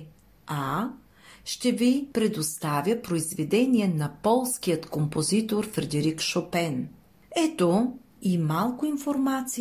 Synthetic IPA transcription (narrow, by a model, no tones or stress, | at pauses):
a | ʃt̪ɛvipɾɛd̪ost̪avʲjəpɾoizvɛd̪ɛniɛnɐpɔlˠskijət̪kompozit̪oɾfɾɛd̪ɛɾikʃopɛn | ɛt̪o | imalˠkʊinfoɾmat̪si